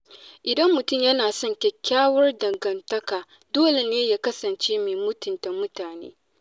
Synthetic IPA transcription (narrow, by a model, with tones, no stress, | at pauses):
ʔɪ˨dɐ˦mːʊ˨tʊ˦˨mjɐ˦naː˨sɔ˦ŋkʲɛ˦kʲːaː˦wɐ˦rdɐ˨ŋɡɐ˨ntɐ˦kaː˨ | doː˦le˨neː˦jaː˦kɐ˦sɐ˨nt͡ʃeː˦meː˨mʊ˦tʊ˨nta˨mʊ˦taː˨nḛː˦